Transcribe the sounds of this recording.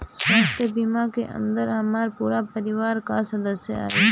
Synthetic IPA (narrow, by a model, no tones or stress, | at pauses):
saːxt̪ebimaːkeʔə̰̃nd̪əɾhɐmaːɾpuːɾapɐɾiwaːɾkaːsɐd̪ɐsea̰ːe